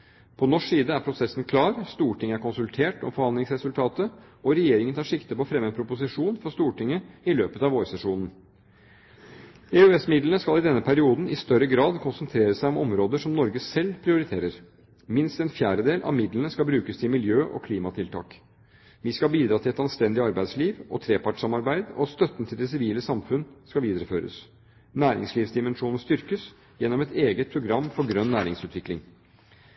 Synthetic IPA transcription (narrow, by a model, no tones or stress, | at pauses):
pʰɔnɔʂsiːd̪əæɾpʰɾʊsɛsnkʰlɑːɾst̪uːʈɪŋːəæɾkʊnsʉlt̪ʰeːʈɔ̰mfɔɾhɑnd̪lɪŋsɾɛsʉlt̪ʰɑːt̪ə | ɔɾɛjeːɾɪŋənt̪ʰɑːʂɪkt̪əpɔfɾɛmːənpʰɾʊpʊsɪʂuːnfɔst̪uːʈɪŋːəɪløːpət̪ɑʋoːɾsɛʂuːnn̩ | ɛøɛsmɪd̪lənəskɑlɪd̪ɛnːəpʰæɾɪuːd̪n̩ɪst̪œɾəɡɾɑːd̪kʰʊnsənt̪ʰɾeːɾəsæɪɔmɔmɾoːd̪əʂɔmnɔɾɡəsɛlːpʰɾɪʊɾɪt̪ʰeːɾəɾ | mɪnst̪ɛnfjæːɖəd̪eːlʔɑ̰ʋmɪd̪lənəskɑlbɾʉːkəst̪ʰɪlmɪljøːʔɔ̰kʰliːmɑt̪ʰɪlt̪ʰɑ̰ːk | ʋiskɑlbiːd̪ɾɑːt̪ʰɪlɛt̪ɑnst̪ɛnd̪ɪɑɾbæɪsliːʋɔt̪ʰɾeːpɑʈʂɑmɑɾbæɪd̪ɔst̪œt̪ːnt̪ʰɪld̪ɛsɪʋiːləsɑmfʉnskɑʋiːd̪ɾəføːɾə̰s | næːɾɪ̰ŋsliːʋsd̪ɪmɛnʂuːnn̩st̪ʏɾkəs | jɛnːɔmɛt̪eːɡət̪̚pʰɾʊɡɾɑmːfɔɾɡɾœnːæːɾɪŋsʉːt̪ʰʋɪklɪŋ